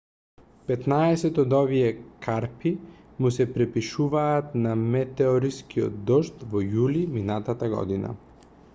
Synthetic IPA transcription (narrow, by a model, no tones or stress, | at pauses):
pɛt̪naɛsɛt̪ɔd̪ɔviɛkʰaɾpi | musɛpɾɛpiʃuvaːt̪namɛt̪ɛɔɾiskiɔ̰t̪d̪ɔʃt̪vɔjuliminat̪at̪aɡɔ̰d̪ina̰